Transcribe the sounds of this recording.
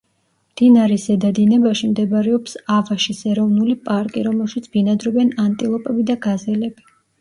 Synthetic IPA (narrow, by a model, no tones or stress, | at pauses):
md̪̥inaɾɛsɛd̪ad̪inɛbaʃimd̪ɛbaɾɛɔpsavaʃisɛɾɔvnulipʼaɾkʼḭɾɔmɛlˠʃit̪sʰb̥inad̪ɾɔbɛnant̪ʼilˠɔpʼɛbid̪aɡazɛlɛb̥i